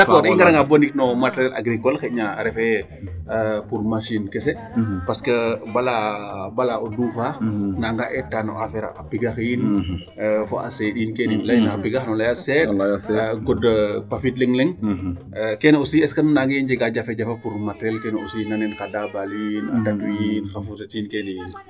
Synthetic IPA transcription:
dɐkkɔːɾiŋɡɐɾɐŋɡabonik̚nɔmatɾɛlʔa̰ɡɾikɔlxɛɲaɾɛfɛ | puɾmasinkɛs̬ɛ | pɐskəbɐlabalaɔdufanaŋɡaʔɛtːanɔ̰ʔafɛɾa̰apiɡɐxiːn | fɔ̰ʔa̰seɗiːnkɛnilɐjnɐapiɡaxnɔlajasɛjaɡɔdpafitlɛŋlɛŋ | kɛnosiɛskɐnnaɡɐind͡ʒɛɡad͡ʒafɛd͡ʒɐfɐpuɾmatɛlkɛnusinanɛnkadabalinadatujinxɐfutɐtiːnkɛnijin

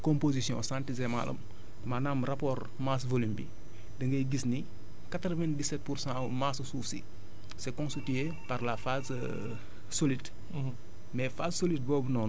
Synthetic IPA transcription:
kɔ̃mpozisjɔ̰̃sãntizɛma̰lɐ̰m | manaːmrapɔːr | masvolimbḭ | dɐŋɡɐjɡisni | katɾəvɛ̃ndisɛt̚pursã | massuːfsḭ | sɛkɔ̃nsitie | parlafaz | solit | mɛfaːssolit̚bɔːbunɔn

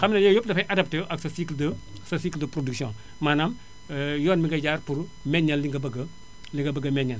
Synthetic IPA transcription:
xɐmnɐjɔjɔpdɐfɐjʔɐdɐp̚teʔɐksɐsikldɐ | sɐsikldɐpɾoduksjɔ̃ | maːnam | jɔːnmiŋɡɐɟaːrpurmɛɲːɐlːiŋɡɐbɐɡɐ | liŋɡɐbɐɡɐmɛɲːɐl

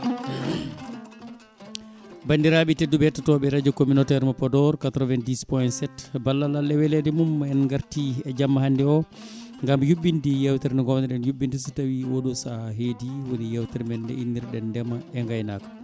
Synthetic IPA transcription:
bandiɾaɓitedːubɛtːatɔɓɛɾad͡ʒɔkominɔtɛɾmapɔdɔɾkatɾɔvɛndispɔjɛntsɛtbalːalalːɛwɛlɛdɛmumɛnŋɡaɾtiɛd͡ʒamːahandɛɔ | ŋɡamjuɓːindijawtɛɾnɛɡɔmdɛɗɛnjuɓːindisitawiwoɗusaɦediwonijɛwtɛɾmɛndɛ̰inːiɾɗɛndɛmaɛŋɡajnakḁ

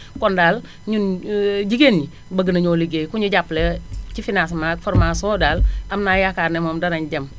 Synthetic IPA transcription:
kɔndal | ɲunɟiɡenɲi | baɡənaɲoliɡekuɲuɟaplɛt͡ʃifinas̬mafɔɾmasodalamnajakaɾnɛmomdanaɲɟam

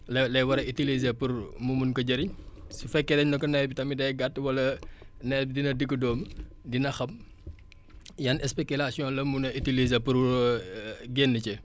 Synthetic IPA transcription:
llɐjwɐɾɐitilizepurmumunkɐɟɐɾiɲsufɛkːɛdɛɲnɔkːɔnɛbitɐmidɐjɡat̚ːwɐlɐnɛbidinɐdəkːədɔːm | dinɐxɐm | janɛspekulasijɔ̃nlɐmunɐʔitilizepur | ɡɛnːəcɛ

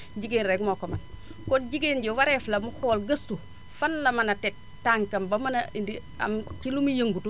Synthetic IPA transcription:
ɟiɡenɾekmokoman | konɟiɡenɟewaɾeflɐmuhoːlɡɐstu | fɐnlɐmanatet̚ | tːaŋkɐmbɐmanaindi | a̰mt͡ʃilumijeŋɡutu

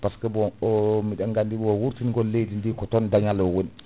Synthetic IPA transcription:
paskɔbɔɔmiɗaŋɡandibwɔwuɾtinɡɔlːejdindikɔtɔndaɲalɔwon

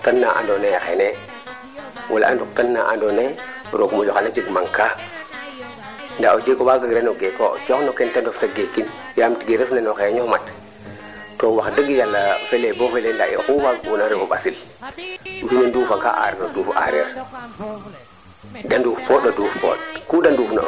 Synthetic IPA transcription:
tanːaʔa̰ndonejaxene | wʔala̰ʔa̰nduktanːaʔa̰ndone | ɾoɡmod͡ʒɔxanad͡ʒiɡmaŋka | ndaod͡ʒekowaɡaɡɾenoɡeko̰t͡ʃɔknokentandoftaɡekːin | jamtɡeɾefnanoxeɲɔmat | towaxdaɡijalːafelebofelendaḭxuwaɡbunaɾikoɓasil | uhinondufaka̰ʔa̰ɾnodufa̰ɾḛɾ | danduːfpoɗoduːfpo̰tkudandufno̰

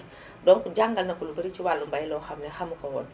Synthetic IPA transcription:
dɔŋkuɟaŋɡɐlnɐkulubəɾit͡ʃiwalːumbajlɔxɐmnɛxɐmukɔwɔn

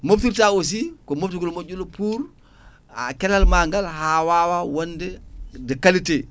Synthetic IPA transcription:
moftiɾtaos̬ikomoftiɡulmoɟulopuːɾ | a̰kɛlalmaŋɡalɦawawawondɛdekalite

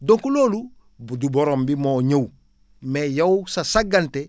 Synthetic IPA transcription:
dõŋkuloːlu | buduboɾombimoɲow | mejawsasaɡante

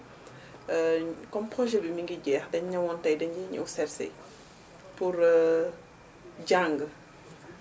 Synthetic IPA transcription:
kɔmpχɔʒɛbimiŋɡiɟɛːxdɐɲɲɐwɔntɐjdɐɲɛɲṵwsɛɾsɛ̰j | puɾ | ɟaŋɡə

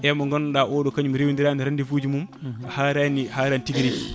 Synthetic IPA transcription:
ʔɛmɔŋɡɔnɗaʔɔɗɔkaɲumɾewindiɾaniɾandifuːd͡ʒimumahaɾanihaɾantiɡɾik

